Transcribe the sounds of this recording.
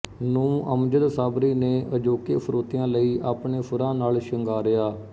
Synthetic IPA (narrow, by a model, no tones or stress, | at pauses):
nũːə̰md͡ʒəɾsaːbɾiːneːʔəd͡ʒoːkḛːpʰɾoːt̪ijãːləiːʔaːpɳeːpʰʊɾãːnaːlʃəŋɡaːɾɪaː